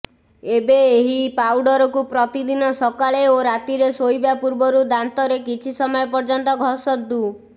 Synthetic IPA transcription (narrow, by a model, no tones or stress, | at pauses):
ebeːɦipawɖɔɾɔkupɾɔt̪id̪inɔsɔkaɭeoɾat̪iɾesojbapuɾbɔɾud̪ant̪ɔɾekit͡ʃʰisɔmɔjɔpɔɾd͡ʒɔnt̪ɔɡʱɔsɔd̪u